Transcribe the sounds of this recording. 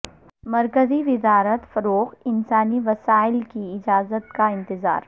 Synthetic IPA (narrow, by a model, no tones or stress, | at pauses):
mɐɾkəziʋɪzaːɾət̪fɐɾoːɣɪnsaːniʋɐsaːɪlkiɪd͡ʒaːzət̪kaɪ̃nt̪ɪza̰ːɾ